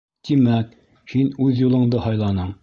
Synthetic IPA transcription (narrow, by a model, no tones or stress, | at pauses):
t̪imæk | hinʉðjulˠɤ̆ɴd̪ɤhɑjlˠɑnɤɴ